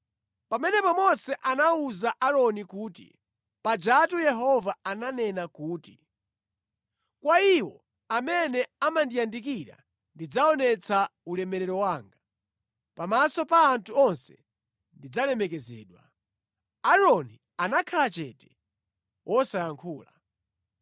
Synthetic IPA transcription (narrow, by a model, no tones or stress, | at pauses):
pamɛnɛpɔmɔsɛʔanauzaʔaɾɔnikuːtḭ | pad͡ʒatujɛɦɔvaananɛnakuːti | kwaiwɔ̰ | amɛnɛamandijandikiɾa̰ | ndid͡zaɔnɛt͡sʰaulɛmɛɾɛɾɔwaːŋɡa | pamasɔpaːntʰuɔnsɛ̰ | ndid͡zalɛmɛkɛzɛ̰ːɗwa | aɾɔni | anakʰalat͡ʃɛtɛ̥ | wʔɔsajaŋkʰuːla